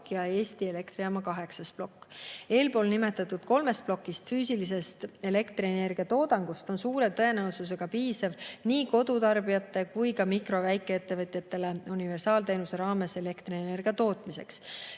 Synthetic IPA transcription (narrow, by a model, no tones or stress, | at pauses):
kːˑjɑe̞ːst̪ie̞le̞kt̪ɾiɑmɑkɑɦe̞ksɑsplo̞kːe̞ːlpo̞ːlnime̞t̪ːˑɑt̪ːˑud̪̥ko̞lme̞st̪̚plo̞kːˑist̪fyːsilis̬e̞st̪e̞le̞kt̪riene̞rɡ̥iɑt̪o̞ːd̪ɑŋɡ̥ust̪o̞nsuːɾe̞t̪ɤe̞neusus̬e̞ɡ̥ɑpiːsɑvniːko̞d̪ut̪ɑrbijɑt̪ːˑe̞kujkɑmikro̞væjkːˑe̞et̪ːe̞vɤt̪ˑjɑt̪ːe̞le̞unive̞rsɑːlt̪e̞jnuse̞ɾɑːme̞se̞le̞kt̪reene̞rɡ̥iɑt̪o̞ːt̪ˑmise̞̰ks